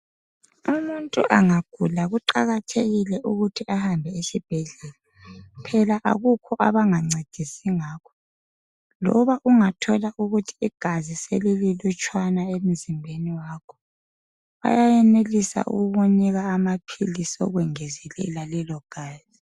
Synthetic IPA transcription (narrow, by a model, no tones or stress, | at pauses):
umuntʼuʔaŋaɡ̥ʱulaɣuǃaɣatʰeɣilɛʔuɣutʰiahambʱɛesib̥ʱɛɮɛːla | pʰɛlaʔa̰ɣukʰɔʔaβaŋaŋ͡ǀʱed̥ʱisiŋaːkʰɔ̥ | lɔ̰βaʔuŋatʰɔlaʔuɣutʰi̥iɡ̥ʱaziselililut͡ʃʼwanaem̩zimbʱeniwaːkʰɔ̥ | βa̰jajɛnelisa̰ʔṵɣɣuniɣaːmapʰilisɔ̰ɣwɛŋezilɛ̰lalɛlɔɡ̥ʱaːz̥i